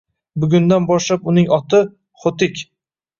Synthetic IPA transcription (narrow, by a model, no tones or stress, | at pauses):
bʊɡʲʊnd̪anbɒʃlapʊnɪŋɒt̪ʰɪ | χot̪ɪkʲ